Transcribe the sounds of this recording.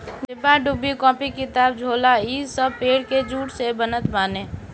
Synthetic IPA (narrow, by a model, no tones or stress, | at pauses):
ɪbaɖubːikɔ̃ːpikɪt̪aːbd͡ʒʱoːlaiːzsəbpeːɽked͡ʒuːʈsebənət̪maːneː